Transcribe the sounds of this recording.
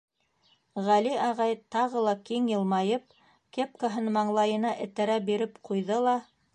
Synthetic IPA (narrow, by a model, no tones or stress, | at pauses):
ʁæliɑʁɑjt̪ɑʁɤlˠɑkiŋjɤ̆lˠmɑjɤp̚ | kep̚kaɦɤnmɑɴlˠɑjɤ̆nɑʔɘ̆t̪æɾæbiɾɘpqujðɤlˠɑ